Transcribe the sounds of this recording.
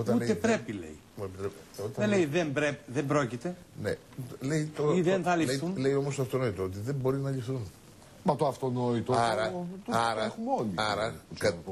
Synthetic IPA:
o̞t̪ɐnulet̪epɾepilḛi | muepit̪ɾep | ot̪ɐelejðembɾepðembɾocit̪e̞ | nḛ | le̞it̪oɾiðenθɐlifθunlejo̞most̪oft̪ono̞it̪oot̪̬iðe̞mbo̞ɾinɐʎifθun | mɐt̪oɐft̪o̞noit̪oɐɾɐt̪ɐɾɐxumeoliɐɾɐkɐ

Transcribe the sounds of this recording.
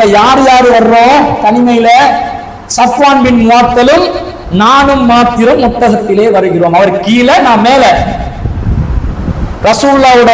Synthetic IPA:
ɐjaːɾjaːɾɯʋɐɾɯːõːt̪ɐnɪmɐjɪlɐ | sɐpːaːnbɪnmʊaːt̪ːɐlɯm | naːɳɯmːaːt̪ːɪɾɐmːʊt̪ːɐɣɐt̪ːɪleːʋɐɾɯɣɪroːmɐʋɐɾkiːlɐnaːmmeːlɐ | ɾɐsuːlːaːɯɽɐ

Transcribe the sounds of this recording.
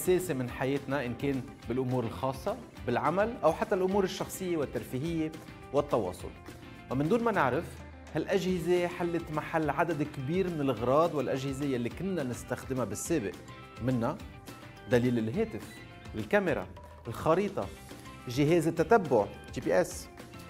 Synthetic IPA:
ʔaseːsemɪnħajeːt̪naʔɪnkeːn | bɪlʔʊmuːɾɪlxɑːsˤːɑ | bɪlʕamalʔawħat̪ːalʔʊmuːɾɪʃːɑxsˤɨjːewɪt̪ːaɾfiːɦɪjːe | wɪt̪ːɑwɑ̰ːsˤʊ̰l | wamɪnd̪uːnmanɪʕɾɪf | halʔaʒhɪzeħalːɪt̪maħalːʕad̪ad̪kbiːɾmɪnɪlʔɣɾˤɑːd̪ˤwɪlʔaʒhɪzejalːikɪnːanɪst̪axd̪ɪmabɪsːeːbɪ̰ʔ | mɪnːa | d̪aliːlɪlɦeːt̪ɪf | ɪlkamɪɾˤa̰ | lxɑɾiːt̪ˤɑ | ʒɪɦeːzɪt̪ːat̪abːʊʕt̪ipiʔɛs

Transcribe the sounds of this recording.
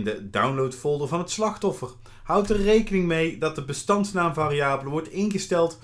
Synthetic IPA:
ndədawnlowtfɔlˠdərvɑnɦətslɑχtɔfər | hʌwtərrejkənɪŋmejdɑt̚dəbəstɑntsnaːmvaːrijaːbələʋɔɹtɪnχəstɛlˠt

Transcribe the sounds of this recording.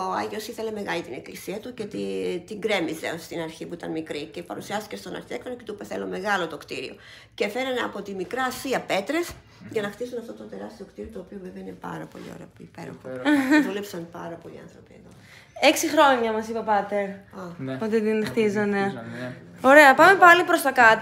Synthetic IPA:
oɐʝio̞siθe̞le̞me̞ɣɐlit̪ine̞klisiɐt̪ucet̪it̪iɡɾe̞mize̞̰osst̪inɐɾçipuit̪ɐnmikɾice̞pɐɾusiɐst̪ice̞st̪o̞nɐ̰ɾçiekfenoce̞t̪upeθe̞lo̞me̞ɣɐlot̪o̞kt̪iɾḭo̞̰ | cefe̞ɾɐneɐpo̞t̪imikɾɐːsiɐpe̞t̪ɾe̞s | ʝɐnɐxt̪isunɐft̪o̞t̪o̞t̪e̞ɾɐst̪io̞kt̪iɾiot̪oːpioveveinepɐ̰ɾɐpo̞̰lḭo̰ɾḛpipe̞̰ɾo̞̰xoðule̞psɐnpɐɾɐpo̞lḭɐ̰nθɾo̞pieðo̞ | eksixɾo̞ɲɐmɐsipɐpɐt̪eɾɐpot̪et̪inxt̪izɐne̞ | o̞ɾe̞ɐpɐme̞pɐlipɾo̞st̪ɐkɐt̪

